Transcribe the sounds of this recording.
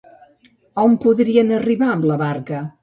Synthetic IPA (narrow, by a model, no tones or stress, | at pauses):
ɔmpuðɾiənəriβaəmbləβaɾkə